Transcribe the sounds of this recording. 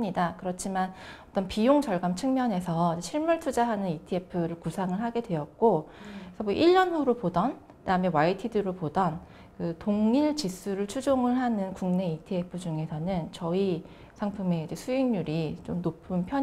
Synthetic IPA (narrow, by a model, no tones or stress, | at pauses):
ɲidakɯɾʌt͡ɕʰimanʌt͈ʌnpijoŋd͡ʑʌɭɡamt͡ɕʰɯŋmjʌne̞sʰʌid͡ʑeɕʰiɭmuɭtʰud͡ʑaɦanɯnitʰie̞pʰɯɾɯɭkusʰaŋɯɭɦaɡe̞dwe̞jʌt̚k͈oesʰʌmoʔiʎːʌnuɾopodʌn | taɯmjʌwaitʰidɯɾopodʌn | kɯtoŋiɭt͡ɕis͈ʰuɾɯɭt͡ɕʰud͡ʑoŋɯɭɦanɯnkuŋne̞itʰiepʰɯd͡ʑuŋe̞sʰʌnɯnt͡ɕʌi | sʰaŋpʰɯme̞id͡ʑe̞sʰuiŋɲuɾit͡ɕomnopʰɯnpʰjʌ